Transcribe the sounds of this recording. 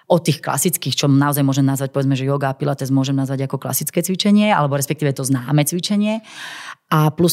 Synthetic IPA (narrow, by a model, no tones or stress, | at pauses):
ɔt̪ːiːxkla̰sit͡skiːxt͡ʃɔnaɔzajmʊɔʒɛmnazʋac̚pɔʋɛd͡zmɛʒɛjɔɡaːpilat̪ɛzmʊɔʒɛmnazʋaɟakɔkla̰sit͡skɛːt͡sʋit͡ʃɛɲɪɛa̰lɛbɔɾɛspɛkt̪iːʋɛt̪ɔznaːmɛt͡sʋit͡ʃɛɲɪɛ | ʔaplus